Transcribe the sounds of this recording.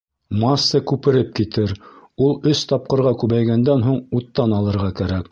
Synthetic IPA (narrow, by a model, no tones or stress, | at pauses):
mɑsːɤkʉpɘ̆ɾɘp̚kit̪ɘɾ | ulˠɵst̪ɑp̚qɤ̆ɾʁɑkʉβæjɡænd̪ænɦuɴut̪ːɑnɑlˠɤ̆ɾʁɑkæɾæk